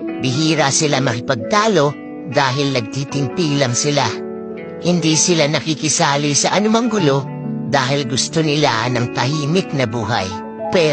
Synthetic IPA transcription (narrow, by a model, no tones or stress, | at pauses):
bɪɦiːɾasɪlamɐkɪpɐɡ̚t̪aːlo̞ | d̪aːɦɪlnɐɡ̚t̪it̪ɪŋp̪ilɐŋsɪla | hɪnd̪isɪlanɐkikɪsaːlisɐʔɐnʊmaŋɡʊlo̞ | d̪aːɦɪlɡʊst̪onɪlanɐŋt̪ɐhiːnɪk̚nɐbuːɦa̰j | pɛ